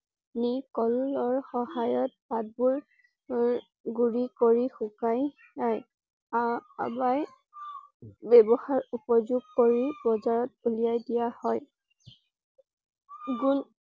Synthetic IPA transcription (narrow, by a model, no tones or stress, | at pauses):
nikɔlɔɹxɔhajɔt̚pad̚buɹ | ɡuɹikoɹixʊkaj | naj | aa̰baj | bɛbɔxaɹupɔzuɡ̚koɹibɔzaɹɔt̚ulijajdijahɔj | ɡun